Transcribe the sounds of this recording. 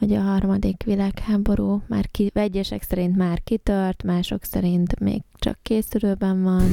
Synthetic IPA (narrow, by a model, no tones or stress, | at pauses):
hoɟɒɦɒrmɒd̪ikʋilaːkhaːbo̞ɾuːmaːrkiʋɛɟːɛʃɛksɛɾint̪maːrkit̪ørt̪maːʃo̞̰ksɛɾint̪mḛːɡt͡ʃɒ̰kːeːsyløːbɛɱvɒn